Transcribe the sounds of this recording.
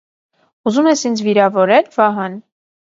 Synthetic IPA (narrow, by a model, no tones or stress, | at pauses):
uzumɛsind͡zviɾɑvɔɾɛlvɑɦən